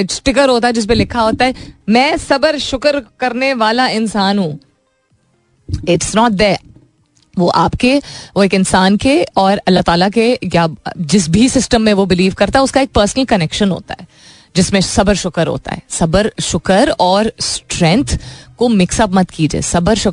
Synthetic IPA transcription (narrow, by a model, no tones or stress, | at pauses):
ɪʈsʈɪk̬əɾɦoːt̪aɦɛd͡ʒɪs̬mẽlɪkʰaɦoːt̪aɦɛmɛ̃ːsɐbəɾʃʊkəɾkɐɾneʋaːlaɪ̃nsaːnɦũ | ɪʈsnɔːʈ̚d̪ɛ | ʋoʔa̰ːpkeʋoeːkɪ̃nsaːnkeɔːɾɐlːaɦt̪aːlakejad͡ʒɪs̬bʱisɪsʈə̃mːẽʋobɪliːʋkɐɾt̪aɦɛʊskaeːk̚pəːɾsənəlkɐnɛkʃə̃nɦo̰ːt̪a̰ɦɛː | d͡ʒɪsmẽsɐbəɾʃʊkəɾɦo̰ːt̪a̰ɦɛ̰ːsɐbəɾʃʊkəɾɔːɾsʈɾɛ̃ŋt̪ʰkomɪksəpmɐt̪kiːd͡ʒḛːsɐbəɾʃʊ